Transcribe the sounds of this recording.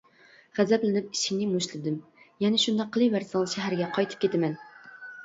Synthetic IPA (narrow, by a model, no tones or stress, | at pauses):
ʁ̥æzɛplɪnɪp̚i̥ʃinɪmoʃlɪd̪ɪmjɛnɛʃund̪ɑqʰːəlˠɨvæɾsˠʃɛɦæɾɡʲɛqʰɑjt̪ʰɨ̥p̚kʲet̪ʰɪmɛn